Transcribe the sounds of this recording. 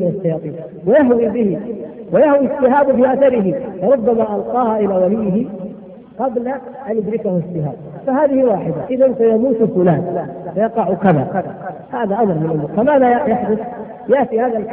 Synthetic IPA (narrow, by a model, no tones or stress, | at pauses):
mɪnaʃːɑjɑːt̪ˤiːn | wajaɦwibɪhɪwajahwisːɪhaːbfiːʔaθɑɾɪɦɪfɑɾˤʊbːamaʔɑlqɑːhaʔɪlaːwalɪjːɪɦɪ | qɑbla | ʔanjʊd̪ɾɪkahʊsːɪha̰ːb̚ | fahaːðɪhɪwaːħɪd̪aʔɪðansajamuːt̪fʊlaːnfajɑqɑʕʊkaða̰ | haːðaʔamɾˤmɪnʔʊmuɾfamaːðaajaħd̪ʊθ | jaʔt̪ihaːðal